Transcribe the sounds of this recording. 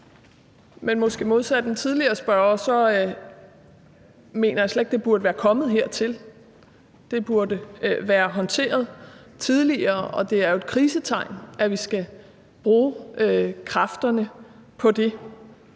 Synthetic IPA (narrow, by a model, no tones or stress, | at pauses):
menmɒ̽sɡ̥e̝̰ːmo̝ð̞ˠsæd̥əd̥ent͡sʰið̞ˠliɐːsb̥ɶɐsɒ̽ | me̝̰ːnɐjɑ̈sleɡ̥̚d̥e̝b̥uɐd̥əʋæːɐkʰɒ̽mð̩ˠɦeɐ̰t͡sʰe̝l | d̥e̝b̥uɐd̥əʋæːɐɦɒ̽nt͡sʰe̝̰ːɐð̞ˠ | t͡sʰið̞ˠliɐːɒ̽d̥e̝æɐjo̝e̝d̥̚kʰʁiːsət͡sʰɑ̈ɪ̰nʔæʋisɡ̥æ | b̥ʁuː | kʰʁɑ̈fd̥ɐnəpʰɒ̽d̥e̝